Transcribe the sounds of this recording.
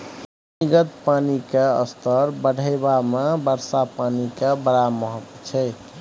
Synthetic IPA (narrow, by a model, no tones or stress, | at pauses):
niɡət̪panikeə̰st̪ʰəɾbəɽʱəɪbamebəɾsapanikebəɾaməɦəkt͡ʃʰɛ